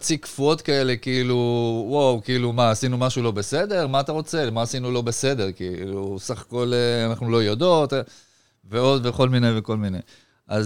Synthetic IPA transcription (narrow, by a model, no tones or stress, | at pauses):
t͡sikfuo̞tkae̞le̞kiiluwawkiilumaasinumaʃulo̞be̞se̞de̞ʁmaːt̪aʁo̞t͡selmaːsinulo̞be̞se̞d̪e̞ʁkiilusaχḁko̞leanaχnulo̞jod̪o̞t̪ | veo̞d̪veχo̞lmine̞jveko̞lminej | ʔaz